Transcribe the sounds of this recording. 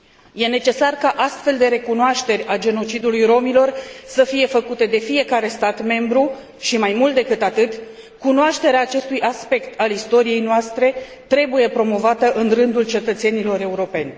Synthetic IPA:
je̞ne̞t͡ʃe̞sarkaʔast̪fe̞ld̪e̞ɾe̞kunoaʃt̪e̞ɾʲad͡ʒe̞no̞t͡ʃid̪ulujɾo̞milo̞rsəfije̞fəkut̪e̞d̪e̞fije̞kaɾe̞st̪at̪me̞mbɾu | ʃimajmult̪̚d̪e̞kɨt̪at̪ɨt̪ʲ | kunoaʃt̪e̞ɾeaːt͡ʃe̞st̪ujʔaspe̞kt̪ʰalist̪o̞ɾije̞jnoast̪ɾe̞ | t̪ɾe̞buje̞pɾo̞mo̞vat̪əʔɨnrɨnd̪ult͡ʃe̞t̪ət̪se̞nilo̞ɾe̞uɾo̞pe̞nʲ

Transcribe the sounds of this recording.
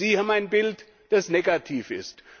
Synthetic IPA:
iːhaːbm̩aɪnbɪlt | d̥asneːɡatʰiːfɪ̰st

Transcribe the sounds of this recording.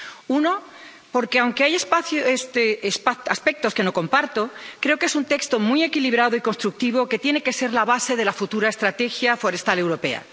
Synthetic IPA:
uno̞ | po̞ɾke̞awŋke̞ajespaθest̪spaaspe̞k̚t̪o̞ske̞no̞ko̞mpaɾt̪o̞kɾe̞o̞ke̞sunt̪e̞kst̪o̞mie̞kiliβ̞ɾað̞oikonst̪ɾuk̚t̪iβ̞o̞ke̞t̪je̞ne̞ke̞se̞ɾlaβ̞ase̞ð̞e̞lafut̪uɾaest̪ɾat̪e̞xjafo̞ɾe̞st̪ale̞wɾo̞pe̞a̰

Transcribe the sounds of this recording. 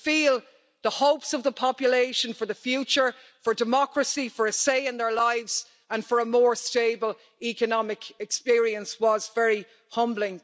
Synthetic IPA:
fiːlˠ | ðəhoʊpsʌvðəpʰɑpjəleɪʃə̃nfə˞ðəfjʉt͡ʃə˞ | fə˞dɨmɑkɹəsifə˞əseɪɪ̃nðə˞laɪvz̥ | ə̃nfə˞əmɔːɹsteɪbəl | ikənɑmɪkɛkspɪɹiə̃nswɒzvɛɹi | hʌ̃mblɪ̃ŋ

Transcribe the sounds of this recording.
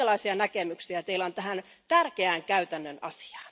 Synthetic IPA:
elːɑisiɑnækemyksiæt̪eilæont̪æhæn | t̪ærkeæːŋkæyt̪ænːønɑ̰si̥ɑ̥ːn

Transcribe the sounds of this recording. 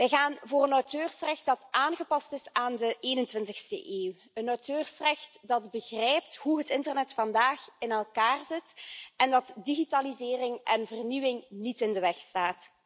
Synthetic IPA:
ʋɛjɣaːnvoːrənɔwtøːrsrɛxt̚d̥ɑtʔaːnɣəpɑstɪsaːndəʔeːnəntʋɪntəxstə̰ʔeːw | ənɔwtøːrsrɛxtdɑdbəɣrɛjp̚thuɦətɪntərnɛtfɑndaːxɪnɛlˠkaːrzɪtʔɛndɑtdiɣitaːlizɪːrɪŋʔɛnvərniwɪŋnitɪndəʋɛxstaːt

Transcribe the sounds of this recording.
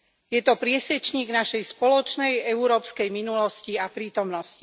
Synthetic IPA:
jɛt̪ɔpɾɪɛsɛt͡ʃɲiːɡnaʃɛjspɔlɔt͡ʃnɛjɛuɾɔːpskɛjminulɔsciapɾiːt̪ɔmnɔsci̥

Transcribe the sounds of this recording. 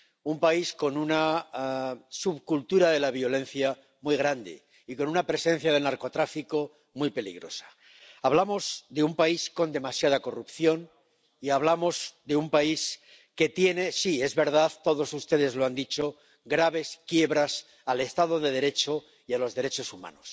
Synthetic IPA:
umpaisko̞nuna | suβkult̪uɾaðe̞laβ̞jo̞lẽ̞n̟θja | mujɣɾand̪ḛ | iko̞nunapɾe̞sẽ̞n̟θjað̞e̞lnaɾko̞t̪ɾafiko̞ | mujpe̞lḭɣ̞ɾo̞̰sḁ | aβlamo̞zðeumpaisko̞nd̪e̞masjað̞ako̞rupθjo̞n | iaβ̞lamo̞zd̪e̞umpais | ke̞t̪je̞ne̞sie̞zβe̞ɾð̞aðt̪o̞ðo̞sust̪e̞ðe̞zloand̪it͡ʃo̞ | ɣɾaβe̞skje̞βɾas | ale̞st̪aðoðe̞ð̞e̞ɾe̞t͡ʃo̞ | ialo̞zðe̞ɾe̞t͡ʃo̞sumã̰nos

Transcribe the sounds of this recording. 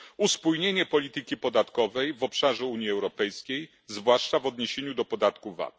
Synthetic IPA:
uspujɲeɲɛpɔlʲit̪ɘkʲipɔd̪at̪kɔvɛjvɔpʂaʐɛuɲjiɛwɾɔpɛjskʲej | zvwaʂt͡ʂavɔd̪ɲeɕeɲud̪ɔpɔd̪at̪kuva̰t̪̚

